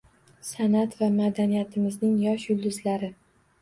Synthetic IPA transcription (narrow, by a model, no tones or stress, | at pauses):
sanat̪vamad̪anijat̪ʰɪmɪznɪŋjɒʃjʊlˠd̪ʊzlaɾɪ